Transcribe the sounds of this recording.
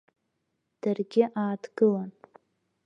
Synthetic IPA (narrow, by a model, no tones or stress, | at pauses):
d̥arɡʲɪʔaːdɡɨlan